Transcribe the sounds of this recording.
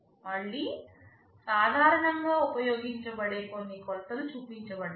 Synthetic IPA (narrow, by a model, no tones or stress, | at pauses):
mɐɭːi | saːd̪ʱaːɾɐɳɐŋɡaːupɐjoːɡiɲt͡ʃɐbɐɽeːkonːikɔlɐt̪ɐlut͡ʃuːpiɲt͡ʃɐbɐɽ